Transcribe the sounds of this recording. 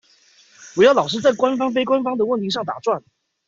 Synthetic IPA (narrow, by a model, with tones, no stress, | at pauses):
wɔ˨˩jɑ˥˩ʊlɑ˨˩ʊʂ̬̩˥t͡sa˥˩ɪkwa˥nfɑ˥ŋfe˥ɪkwa˥nfɑ˥ŋd̪ə˨wə˥˩nt̪ʰi˧˥ʂ̬ɑ˥˩ŋt̪a̰˨˩t͡swa˥˩n